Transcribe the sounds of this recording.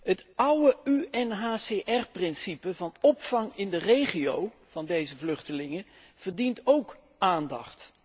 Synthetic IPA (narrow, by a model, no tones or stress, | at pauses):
ɦətʌwəyɛnɦaːseʔɛrprɪnsipəvɑnɔpfɑŋɪndərejχiow | v̥ɑndejzəvlɵχtəlɪŋə | v̥ərdintowk | ʔaːndɑχt